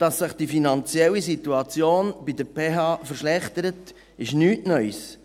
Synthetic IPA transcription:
d̥ɑsːɪχd̥ifinɑnt͡sjɛlisituɑt͡sjoːnb̥idəɾpʰeːɦɑːfəɾʃlɛχtəɾət | ɪʃnyːtnœʏs

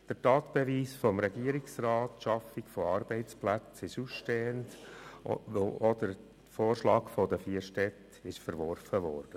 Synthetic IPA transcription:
d̥əɾtɑːt̪b̥ɛviːsfɔmɾɛɡiəɾɪksrɑːtʃɑfɪkfɔɑɾb̥ɛɪt͡splæt͡sɪʃusʃteːənt | oʔɔdəɾ | foːɾʃlɑːkfɔdəfiːəɾʃtɛt | ɪʃfəɾʋɔrfəvɔːrd̥ə

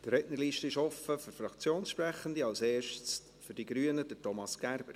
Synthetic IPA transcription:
d̥əɾɛtnəɾliːʃtəɪʃɔfəføɾfɾɑkt͡sjoːnsʃpɾɛχːəndiɑlseːʃt͡s | fyɾd̥iɡɾyːənəd̥ətɔmɑsɡ̥æɾb̥əɾ

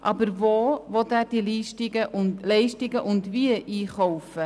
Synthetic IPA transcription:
ʔɑbəɾvoːvɔt̪æːɾd̥iliːʃtiɡəʔʊlɛɪʃtɪɡəʔʊndʋiəʔiːχɔwfə

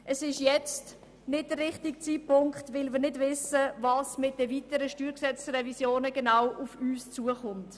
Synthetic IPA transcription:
ʔəsɪʃjɛt͡st | nɪt̚d̥ərɪχtikt͡siːpʊŋkχtvɪlmiːɾnɪdvɪsəvɑːsmɪt̚d̥əvitəɾəʃtyːɾksɛt͡srɛvisjoːnəɡ̥enawufyːst͡suəχʊnt

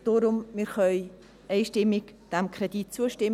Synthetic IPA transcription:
d̥oːɾʊmmiːɾχœʏ | ɛɪʃtɪmːɪkd̥ɛmkʰɾɛd̥it̚t͡suəʃtɪm

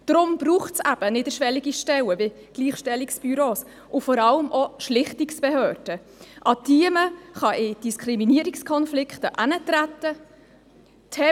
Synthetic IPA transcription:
d̥ɾʊmb̥ɾuːχtsæb̥ənɪdəʃʋɛliɡiʃtɛwəvi | ɡ̥liːχʃtɛliksb̥yɾoːs | ʔʊfɔɾɑləmʔɔʃlɪχtiksb̥ɛhøœːrd̥ə | ʔɑdiəməχɑʔɪd̥iskʰɾiminiəɾikskʰɔnflɪkχtəʔænətɾætə | tʰɛ

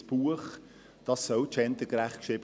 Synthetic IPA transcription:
b̥uəχ | d̥ɑsːœwtt͡ʃɛnt̪əɡ̥ɾæχtkʃɪb̥

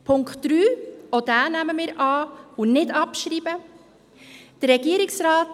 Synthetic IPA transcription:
pʰʊŋkχtɾyːod̥æːnæməmɪːɾɑːunɪdɑpʃɾiːbə | d̥əɾɾɛɡiəɾɪksɾaːt

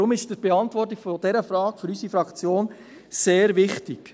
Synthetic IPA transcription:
ɾʊmɪʃd̥əb̥eɑntvɔrt̬ikfod̥ɛɾəfrɑːkfʏɾysifɾɑkt͡sjoːn | seːɾvɪχtɪk

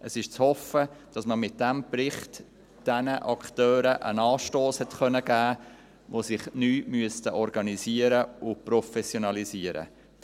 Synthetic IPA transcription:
ʔəsɪʃt͡shɔfəd̥ɑsməmɪt̚d̥æmprɪχt | d̥ɛnəʔɑkχtœːɾəʔə̰nɑːʃtoːshɛtχœnəɡæː | ʋosɪχnyːmyəstəʔɔɾɡɑnisiəɾəʊprɔfɛsjɔnɑlisiəɾə̰

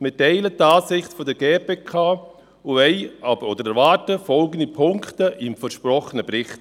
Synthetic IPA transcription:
mɪtɛɪlətaːsɪχtfɔdəɡeːpeːkʰaː | uɛɪɑbodəɾɛɾvaːɾtəfɔlɡəndipʰʊŋktəʔɪmfəʃpɾɔχənəbɾɪχt

